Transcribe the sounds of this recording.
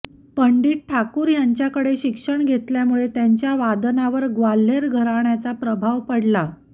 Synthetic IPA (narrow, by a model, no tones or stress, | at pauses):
pəɳɖiːʈ̚ʈʰakuːɾjaɲt͡ɕjakəɽeɕikʂəɳɡʱet̪ljamuɭet̪jaɲt͡ɕjaʋad̪ənaʋəɾɡʋalːeɾɡʱəɾaɳjat͡sapɾəbʱaʋpəɽla